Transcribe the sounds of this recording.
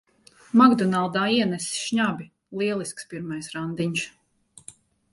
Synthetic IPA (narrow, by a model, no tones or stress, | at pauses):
maɡd̪ɔnalˠd̪aːiɛnɛsi̥sʃɲabʲi | lˠiɛlˠiskspiɾmajsɾand̪iɲs